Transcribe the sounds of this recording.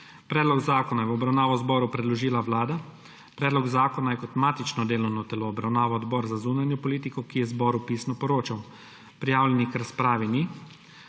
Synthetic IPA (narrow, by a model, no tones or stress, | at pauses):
pɾɛːd̪lɔɡzaːkɔnajɛwɔbɾawnaːʋɔwzbɔːɾupɾɛd̪lɔʒiːlaʋlaːd̪a | pɾɛːd̪lɔɡzaːkɔnajɛkɔt̪maːt̪it͡ʃnɔd̪eːlɔwnɔt̪ɛloːbɾawnaːʋɔɔd̪bɔːɾzazuːnanjɔpɔliːt̪ikɔkijɛzbɔːɾupiːsnɔpɔɾoːt͡ʃaw | pɾijaːwlɛnikɾaspɾaːʋini